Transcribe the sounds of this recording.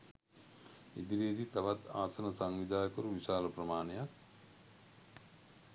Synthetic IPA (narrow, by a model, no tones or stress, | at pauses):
id̪iɾid̪it̪aʋat̪aːsɐnəsaŋʋid̪aːkəɾuʋisaːləprəmaːnejak̚